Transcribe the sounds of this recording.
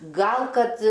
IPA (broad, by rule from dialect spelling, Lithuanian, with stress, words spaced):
ˈɡɐlˠ ˈkɐt